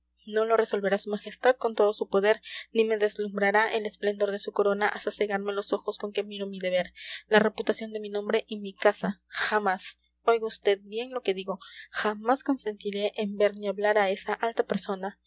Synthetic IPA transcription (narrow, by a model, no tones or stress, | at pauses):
no̞lo̞re̞so̞lβe̞ɾasumaxe̞st̪að̚ko̞nt̪o̞ðosupo̞ðe̞ɾnime̞ðe̞zlumbɾaɾaʔele̞splend̪o̞ɾðesuko̞ɾo̞naʔast̪ase̞ɣaɾme̞lo̞so̞xo̞sko̞ŋke̞miɾomiðe̞β̞e̞ɾlare̞put̪asjo̞nd̪e̞minõmbɾe̞ʔimikasaxamas | o̞jɣaust̪e̞ð̚bje̞ŋlo̞ke̞ðiɣo̞xamasko̞nse̞nt̪iɾe̞ʔːmbe̞ɾniaβlaɾae̞saʔalt̪ape̞ɾso̞na